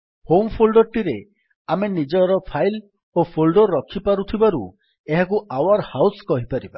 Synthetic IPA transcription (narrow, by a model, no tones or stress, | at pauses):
hompʰolɖɔʈiɾe | amenid͡ʒɔɾɔpʰajl | opʰolɖɔɾɔkʰipaɾut̪ʰibaɾṵ | eɦakuʔawaɾhawskɔɦipaɾiba